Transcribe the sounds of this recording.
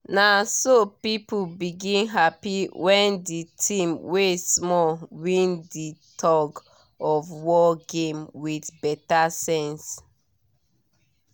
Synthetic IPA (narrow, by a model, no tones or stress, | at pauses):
nasopipubiɡĩnɦapiwɛ̃nditʰĩmwesmɔwĩnditʰɔɡ | ɔvwɔɡẽmwidbɛtasɛ̃ns